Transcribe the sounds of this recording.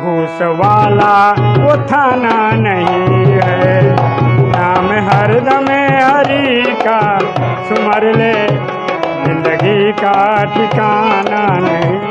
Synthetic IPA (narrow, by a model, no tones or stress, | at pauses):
bʱuːsʋaːlaʋot̪ʰaːnanɐɦĩɦɛ | naːmeɦɐɾd̪ɐmeɦɐɾika | sʊmɐɾle | zɪ̃nd̪əɡikaʈʰikananɐɦĩ